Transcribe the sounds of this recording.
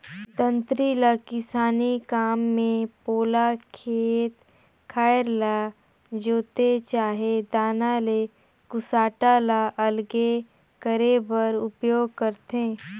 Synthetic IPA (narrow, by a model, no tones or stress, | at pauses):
t̪ə̃nt̪ɾilakɪsaːnikaːmːẽpoːlakʰeːt̪ | kʰaːɾla | d͡ʒoːt̪et͡ʃaːɦed̪aːnale | kʊsaːʈalaʔɐlɡe | kəɾebəɾʊpjoːɡ̚kəɾt̪ẽː